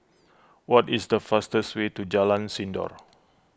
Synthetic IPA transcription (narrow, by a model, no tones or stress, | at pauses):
wɔtisdəfastəstwetud͡ʒalãnsĩndɔ̰ɹ